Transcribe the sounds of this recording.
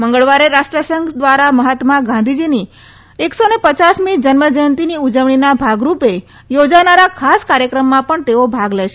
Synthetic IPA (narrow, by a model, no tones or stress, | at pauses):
məŋɡəɭʋaɾeɾaʃʈɾəsəŋɡd̪ʋaɾaməɦat̪mãɡãnd̪ʱid͡ʒini | eksonepət͡ʃasmid͡ʒənməd͡ʒəjənt̪iniud͡ʒəʋɳinabʱaɡɾupe | jod͡ʒanaɾakʰaskaɾjəkɾəmːãpəɳt̪eobʱaɡləjʃe